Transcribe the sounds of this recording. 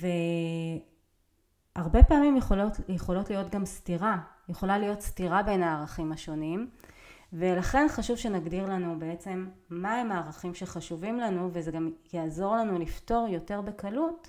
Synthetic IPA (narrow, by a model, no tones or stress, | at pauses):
ve | aʁbe̞paamimjeχolotjeχo̞lo̞tlijo̞tɡamstiʁajeχo̞lalijo̞tstiʁabe̞naːʁaχimhaʃo̞nim | ve̞laχe̞nχaʃuvʃe̞naɡdiʁlanubee̞t͡se̞mːaemaːʁaχimʃeχaʃuvimlanuvezeɡamjaːzo̞ʁlanulifto̞ʁjo̞te̞ʁbe̞kalut